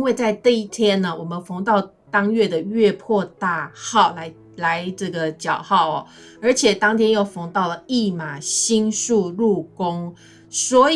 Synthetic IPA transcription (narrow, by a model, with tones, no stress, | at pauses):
nwe˥˧ɪt͡sa˥˧ɪʈ͡ʂɤ˥˧i˥˩t̪ʰjɛ˥˦nːə˨wɔ˨˩mə˨nfɤ˧˥ŋt̪ɑ˥˩ʊ | t̪ɑ˥ŋɥɛ˥˩d̪ə˩ɥɛ˥˧pʰwɔ˥˧t̪a˥˧xɑ˥˩ʊla˨˦ɪ | la˧˦ɪʈ͡ʂɤ˥˩ɡə˩t͡ɕjɑ˨˩ʊxɑ˥˩ʊɐ̰˩ | ə˞˧˥t͡ɕʰjɛ˨˩t̪ɑ˥ŋt̪ʰjɛ˥njo˥˩ʊfɤ˧˥ŋt̪ɑ˥˩ʊlə˩i˥˩ma˨˩ɕi˥nʂu˥˧ɻu˥˨˩kʊ˦ŋ | swɔ˧˥